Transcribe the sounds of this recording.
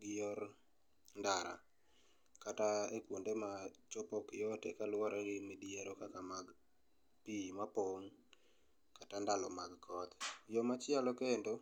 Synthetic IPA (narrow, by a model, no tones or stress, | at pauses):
ɡɪjɔr | ndaɾa̰ | kataekwondemat͡ʃɔpɔkjɔtekalwaɾʔaɾɪmedieɾokakamaɡ | pimapoŋ | katandalɔmaɡkʰɔt̪jɔmat͡ʃɪalɔkendo